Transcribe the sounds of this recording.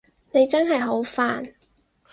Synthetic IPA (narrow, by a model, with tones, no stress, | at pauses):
ne˨˧jt͡sɐ˥nɦɐ˨jɦo˨˥wfaː˨n